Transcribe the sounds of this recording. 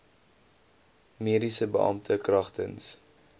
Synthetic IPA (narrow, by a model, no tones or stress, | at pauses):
miəɾisəbə̰ʔɐ̰mtʰəkrɐχtə̰ns